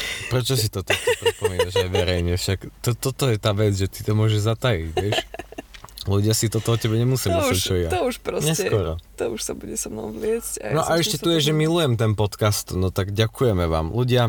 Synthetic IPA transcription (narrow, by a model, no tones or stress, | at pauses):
pɾɛt͡ʃɔs̬it̪ɔt̪ɔkɔpɾipɔmiːnaʒajʋɛɾɛjɲɛfʃakt̪ɔt̪ɔt̪ɔjɛt̪aːʋɛd͡zʒɛt̪i̥t̪ɔmʊɔʒɛʒzat̪ajiɟʋɪɛʃ | luɟɪasit̪ɔt̪ɔɔcɛbɛɲɛmusimisɛt͡ʃɔɛjat̪ɔuʃpɾɔsɲɛsɛkɔɾɔt̪ɔuʃsabuɟɛsamnɔ̰mvlɪɛsca̰nɔʔaɛʃcɛt̪ujɛʒɛmilujɛmt̪ɛnpɔt̪kast̪nɔt̪aɡɟakujɛmɛʋa̰ːmluɟɪa